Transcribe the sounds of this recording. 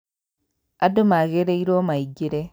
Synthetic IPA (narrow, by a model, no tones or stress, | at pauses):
adomaɣeɾeiɾomaiɡeɾe